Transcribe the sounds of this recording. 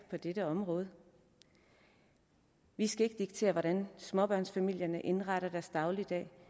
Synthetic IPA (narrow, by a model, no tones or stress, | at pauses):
pʰɒ̽d̥eɾəɒ̽mʁɔ̽ːð̞ˠə | ʋisɡ̥æe̝ɡ̥əd̥iɡ̥̚t͡sʰe̝̰ːɐʋɒɾ̥ænsmɒ̽b̥ɶɐ̰nsfæmil̰jɐnəʔe̝nʁɑɾ̥ɐd̥æɐsd̥ɑ̈ʊlid̥ɛ̰ː